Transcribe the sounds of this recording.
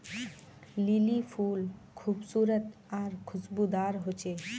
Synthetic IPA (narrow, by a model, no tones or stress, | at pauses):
lilifʰulkʰubsuɾət̪ | aɾkʰud͡ʑbud̪aɾɦot͡ɕʰe